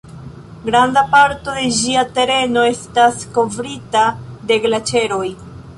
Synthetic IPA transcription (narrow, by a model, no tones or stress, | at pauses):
ɡɾandapaɾto̞de̞ʒiate̞ɾe̞no̞e̞stasko̞vɾitade̞ɡlat͡ʃe̞ɾo̞j